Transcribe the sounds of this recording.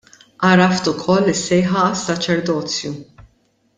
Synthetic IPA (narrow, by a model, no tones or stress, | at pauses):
ʔɐɾɐft̪ʊkʰɔlːɪsːɛjħɐɐsːɐt͡ʃɛɾd̪ɔːt͡sju